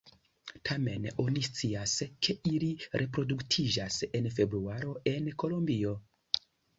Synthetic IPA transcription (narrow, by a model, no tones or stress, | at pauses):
tʰame̞no̞nist͡siaskʰe̞ʔiliɾʔe̞pɾo̞duktʰid͡ʒase̞nfe̞bɾuaɾo̞ʔe̞nko̞lombio̞